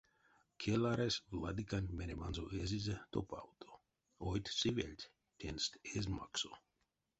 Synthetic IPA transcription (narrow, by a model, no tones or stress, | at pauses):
kʰelaɾesvlad̪ikanʲmenʲemanzoʔezizet̪o̰pa̰wt̪ʰo | ojt̪ʲsivḛlʲt̪ʲ | t̪ʲenst̪ezma̰kso